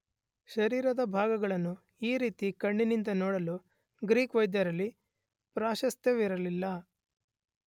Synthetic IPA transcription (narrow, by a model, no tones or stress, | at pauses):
ʃɐɾiːɾɐd̪ɐbʱaːɡɐɡɐɭɐnːu | iːɾiːt̪ikɐɳːinind̪ɐnɔːɽɐlu | ɡɾiːkʋɐjd̪jɐɾɐlːi | pɾaːʃɐst̪ʰjeʋiɾɐlilːɐ